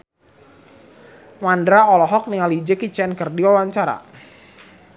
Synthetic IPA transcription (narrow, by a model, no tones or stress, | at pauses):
mandɾaɔlɔɦɔk̚niŋalid͡ʒekit͡ʃɛnkərdiwawaɲt͡ʃaɾa̰